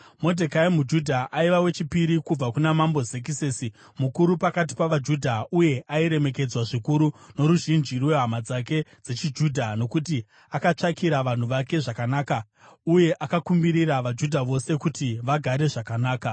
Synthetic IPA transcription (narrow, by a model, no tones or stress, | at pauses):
mo̞dʱekaimud͡ʒudʱaʔaiʋawe̞t͡ʃipiɾikub͡vakunamambo̞zek̬iseːsi | mukuɾupakat̬i̥paʋad͡ʒudʱauje̞ʔaiɾe̞me̞k̬e̞d͡zwaʐikuɾunoɾuʒind͡ʒirwe̞ɦamad͡zake̞d͡ze̞t͡ʃid͡ʒuːdʱano̞kut̬i | akat͡ʂakiɾaʋan̤uʋake̞ʐakanaːka | uje̞ʔakakumbiɾiraʋad͡ʒudʱaʋo̞se̞kutiʋaɡʱaɾe̞ʐakanaːka